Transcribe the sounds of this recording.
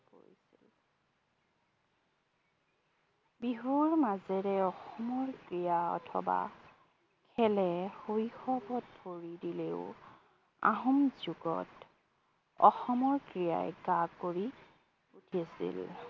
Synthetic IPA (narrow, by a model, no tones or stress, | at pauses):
po̰ɹisḭl | biɦuɹmazɛɹɛɔxɔmɔɹkɹijaɔ̰tʰɔ̰ba̰ | kʰɛlɛhojxɔbɔt̚pʰoɹidileʊ | a̰ɦɔmzuɡɔ̰t | ɔ̰xɔmɔɹkɹija̰jɡakːoɹi | utʰiasḭl